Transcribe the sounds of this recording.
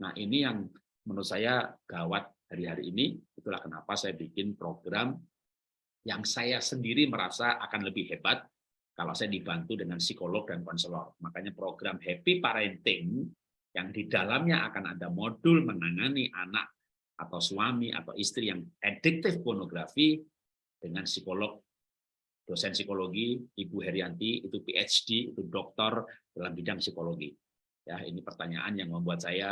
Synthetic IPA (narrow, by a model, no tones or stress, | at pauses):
na̰hʔinijaŋ | mənʊt̪̚sajaɡ̥awat̪̚haɾiɦaɾḭʔːniit̪ula̰hkəna̰pasajabikɪnpɾoɡɾam | jaŋsajasəndiɾiməɾa̰saʔakanləbɪhebat̪̚ | kala̰wsajadibant̪udəŋansikolɔɡ̚dankɔnsəlɔ̰rmakaɲapɾoɡɾamɦepipaɾɛnt̪ɪŋ | jaŋdidalamɲaʔa̰kanadamodʊlmənaŋaniʔana̰k̚ | ʔa̰t̪awsuwamiʔa̰t̪a̰wʔist̪ɾijaŋʔɛdɪk̚t̪ɪfpɔnoɡɾafi | d̥əŋansikolɔɡ̚ | d̥osɛnsikoloɡiibuɦɛɾiant̪iit̪upiʔɛt͡ʃd̥iḭt̪udɔk̚t̪ɔrd̥alambidaŋsikoloɡḭ | jaḭnipərt̪aɲa̰ʔanjaŋməmbuat̪̚saja